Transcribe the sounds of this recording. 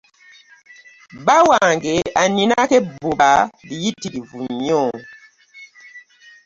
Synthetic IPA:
bawaŋɡeaninakɛbobadijitidivuɲɔ

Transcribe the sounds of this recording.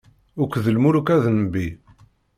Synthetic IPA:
ʊkʷðəlmuɾukæðnbi

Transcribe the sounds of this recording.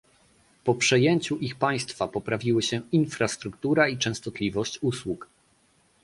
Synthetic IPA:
pɔpʂɛjeɲt͡ɕuʔixpaj̃st̪fapɔpɾavʲiwɘɕɛinfɾast̪ɾukt̪uɾait͡ʂɛ̃w̃st̪ɔt̪lʲivɔɕt͡ɕuswuk

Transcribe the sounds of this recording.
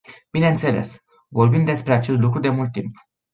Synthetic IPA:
b̥ineɨnt̪se̞le̞̰s | vo̞rbind̪e̞spɾe̞at͡ʃe̞st̪lukɾud̪e̞mult̪̚ːimp

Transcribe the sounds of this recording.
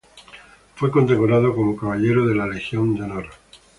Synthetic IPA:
fwe̞ko̞nd̪ekoɾaðokomokaβ̞aʎe̞ɾoðe̞lalexjo̞nd̪onoɾa

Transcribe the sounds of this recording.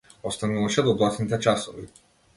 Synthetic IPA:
ɔst̪anuvaʃɛd̪ɔblˠat̪nit̪ɛt͡ʃasɔvi

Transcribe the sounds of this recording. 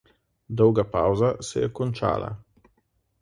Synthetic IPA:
d̪ɔwɡapawzasɛ̰jɛkɔnt͡ʃa̰ːla̰

